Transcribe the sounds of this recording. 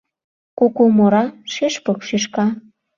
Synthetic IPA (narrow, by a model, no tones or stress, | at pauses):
kokomoɾɑʃeʃpɤkʃeʃkɑ